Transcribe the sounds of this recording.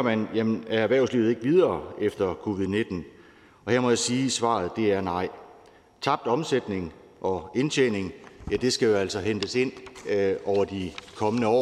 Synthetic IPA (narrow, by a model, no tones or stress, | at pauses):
mænjæmənææʋæɐʊslḭːʊð̩ˠe̝ɡ̥əʋið̞ˠɐːefd̥ɐkʰo̝ːʋið̞ˠne̝d̥n̩ | ɒ̽heɐmɒ̽jäsiːsʋɑ̰̈ð̞̩ˠd̥e̝æɐnɑ̈ɪ̰ | t͡sʰɑ̈b̥̚d̥ɒ̽msed̥ne̝ŋ | ʔɒ̽e̝nt͡ɕʰḛne̝ŋjæd̥e̝sɡ̥æjo̝æl̰sɒ̽ɦend̥əse̝n̰ | ɒʊ̰ɐd̥ikʰɒ̽mənəɒ̰ː